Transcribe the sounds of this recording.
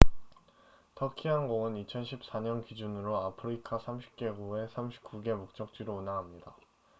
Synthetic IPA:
tʰʌkʰiɦanɡoŋɯnit͡ɕʰʌnɕʰip̚s͈aɲʌnkid͡ʑunɯɾoapʰɯɾikʰasʰamɕʰi̥p̚k͈e̞ɡue̞sʰamɕʰi̥p̚k͈uɡe̞mok̚t͡ɕ͈ʌk̚t͡ɕ͈ɥiɾounaŋɦamɲida

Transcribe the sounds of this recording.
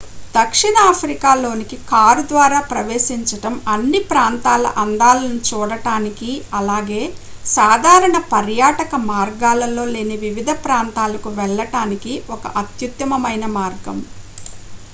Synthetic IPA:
d̪ɐkʂiɳɐapʰɾikaːlo̞ːnikikaːɾud̪ʋaːɾaːpɾɐʋeːʃiɲt͡ʃɐʈɐmɐnːipɾaːnt̪aːlɐ̰ʔɐnd̪aːlɐnut͡ʃuːɽɐʈaːnikiɐlaːɡe̞ːsaːd̪ʱaːɾɐɳɐpɐɾjaːʈɐkɐmaːɾɡaːlɐlo̞ːle̞ːniʋiʋid̪ʱɐpɾaːnt̪aːlɐkuʋɛɭːɐʈaːnikiɔkɐ̰ʔɐt̪jut̪jɐmɐmɐjnɐmaːɾɡɐ̰m

